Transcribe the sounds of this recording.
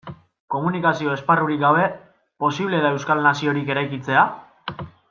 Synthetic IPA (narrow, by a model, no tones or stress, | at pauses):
ko̞munikasio̞e̞sparuɾikɡaβe̞ | po̞siβle̞ðae̞wskalnasio̞ɾike̞ɾajkit͡se̞a